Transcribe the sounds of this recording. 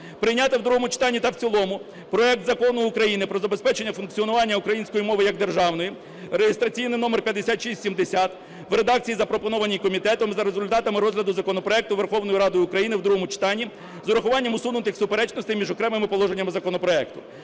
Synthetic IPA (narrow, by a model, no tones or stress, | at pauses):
pɾɪjnʲat̪ɐwd̪ɾuɦɔmʊt͡ʃɪ̥t̪ɑnʲːit̪ɐwt͡sʲilˠɔmʊ | pɾɔɛk̚t̪zɐkɔnʊːkɾɐjinɪpɾɔzɐbe̞spɛt͡ʃenʲːɐfʊnkt͡sʲiɔnʊʋɑnʲːɐʊkɾɐjinʲsʲkɔjimɔʋɪjɐɡd̪e̞rʒɑwnɔji | ɾejest̪ɾɐt͡sʲijnɪnɔmɛrpʲjɐd̪esʲat̪ʃisʲtʲsʲimd̪esʲat̪ | ʋred̪ɑkt͡sʲijizɐpɾɔpɔnɔʋɐnʲijkɔmʲit̪ɛt̪ɔmzɐɾezʊlʲt̪ɑt̪ɐmɪɾɔzɦlʲɐd̪ʊzɐkɔnɔpɾɔɛk̚t̪ʊʋerxɔwnɔjiɾɑd̪ɔjʊʊkɾɐjinɪwd̪ɾuɦɔmʊt͡ʃɪ̥t̪ɑnʲːi | zʊɾɐxʊʋɑnʲːɐmʊsunʊt̪ɪxsʊpeɾɛt͡ʃnɔsʲt̪ɐjmʲiʒɔkɾɛmɪmɪpɔlˠɔʒe̞nʲːɐmɪzɐkɔnɔpɾɔɛk̚t̪ʊ